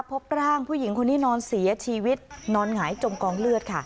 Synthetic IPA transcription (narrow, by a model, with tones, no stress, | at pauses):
pʰo˦˥p̚ɾaː˥˩ŋpʰuː˥˩ji˨˩˦ŋkʰo˧nːiː˦˥nɔː˧nsi˩˦ɐt͡ɕʰiː˧wi˦˥t̪̚nɔː˧nŋaː˩˦jt͡ɕo˧mkɔː˧ŋlɯ˥˩ət̪̚kʰa˥˩